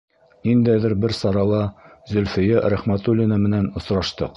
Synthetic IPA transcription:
nind̪æðɘɾbɘɾsɑɾɑlˠɑzɵ̆lfɘ̆jæɾæχmæt̪ulʲinɑmɘ̆nænŏsɾɑʃt̪ɤ̰q

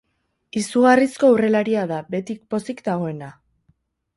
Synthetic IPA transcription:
isuɣarisko̞ure̞laɾiaðabe̞t̪ik̚po̞sikd̪aɣ̞o̞e̞na

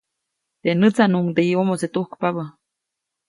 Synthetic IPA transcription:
t̪enət͡sanuŋd̪eiomoset̪uhkpaβə

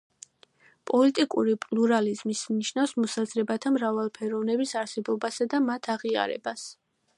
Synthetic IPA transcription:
pʼɔlit̪ʼikʼuɾipʼlˠuɾalizmismniʃnavsmɔsazɾɛbat̪ʰamɾavalˠpʰɛɾɔvnɛbisaɾsɛbɔbasad̪amat̪ʰaʁia̰ɾɛ̰bas

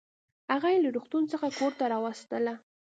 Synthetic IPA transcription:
haɣajelaɾoxt̪unt͡səxakoɾt̪aɾɑwast̪əla

